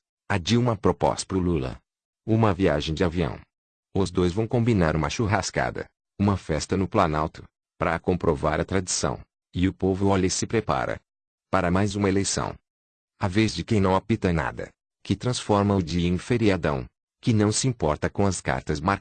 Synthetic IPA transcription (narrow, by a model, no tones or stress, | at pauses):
ad͡ʒiũmɐpɾopɔ̰spɾʊlulɐ̰ | ũmɐviaʒẽj̃d͡ʒɪaviɐ̰̃w̃ | ʊzd̪ojzvɐ̃w̃kõmbinaɾũmɐʃuɦaska̰d̪ɐ̰ | ũmɐfɛst̪ɐnʊplɐnawt̪ʊ̥ | pɾɐkõmpɾʔovaɾɐt̪ɾad͡ʒisɐ̰̃w̃ | ɪʊpovʊɔlɪsɪpɾepa̰ɾɐ̰ | paɾɐmajzũmɐelejsɐ̰̃w̃ | avezd͡ʒɪkẽj̃nɐ̃w̃apit̪ɐna̰d̪ɐ̰ | kɪt̪ɾɐ̃sfɔɾmɐ̃ʊd͡ʒiĩfeɾiad̪ɐ̃w̃ | kɪnɐ̃w̃sɪĩmpɔɾt̪ɐkõɐska̰ɾt̪ɐzmaɾ